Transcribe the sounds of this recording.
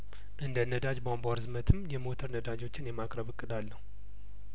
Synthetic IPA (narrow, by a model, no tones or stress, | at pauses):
ʔɨnd̪ənəd̪ad͡ʒbambaɾzɨmət̪ʰɨmːjɛmot̪ʰəɾnəd̪ad͡ʒo̞t͡ʃːɪnjɛmakʼɾəβɨkʼːɨd̪alːəhu